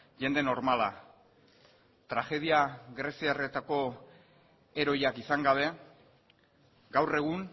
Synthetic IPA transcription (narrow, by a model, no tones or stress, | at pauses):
ʝe̞nd̪e̞no̞ɾmala̰ | t̪ɾaxe̞ðiaɣɾe̞siare̞t̪ako̞ | e̞ɾo̞jakisaŋɡaβe̞ | ɡawre̞ɣ̞un